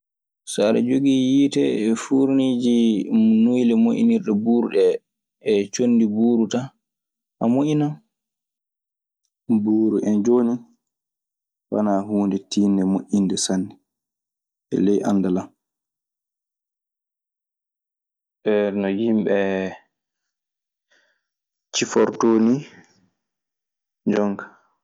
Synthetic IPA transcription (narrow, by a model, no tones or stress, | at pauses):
saɾɛ̰d͡ʒoɡijitɛfuɾniːd͡ʒinujlɛmoʔḭniɾɗɛbuːɾɗɛː | t͡ʃonːdibuːɾuta | ʔamoʔinan | buːɾuʔɛnd͡ʒoːni | wa̰naːɦuːndɛtiːnːɛmoʔindɛsanːɛ | ɛ̰lɛjʔa̰ndalam | ɓɛnɔjimɓɛ | t͡ʃifɔɾtoːni | d͡ʒɔŋka